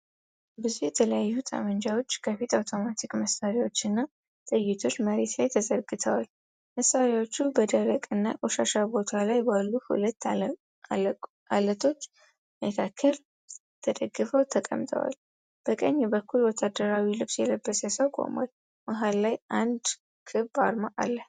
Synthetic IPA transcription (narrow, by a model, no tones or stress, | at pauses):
bɨzujɛt̪ʰələjajːut̪ʼa̰mənd͡ʒawo̞t͡ʃːkʰəfit̪awt̪ʰo̞mat̪ʰikməsaɾiwo̞t͡ʃːɨnːa | t̪ʼɨjːɪt̪ʰo̞t͡ʃːməɾe̞t̪lajt̪ʰəzəɾɡɨt̪ʰəwal | məsːaɾjawot͡ʃːubəd̪əɾəkʼɨnːa̰kʼoʃaʃabo̞t̪ʰalajbalːuhṵlət̪ː | ʔalət̪ʰo̞t͡ʃː | məkʰakʰːəl | t̪ʰəd̪əɡːɨfəwt̪ʰəkʼə̰mt̪ʰʼə̰wa̰l | b̥əkʼəɲːɛbəkʰːulwɔt̪ʰːad̪əɾawilɨβsjɛləbːəsasəwkʼo̰mwa̰l | maɦalːajʔand̪ | kʰɨbaɾmaʔa̰lːəh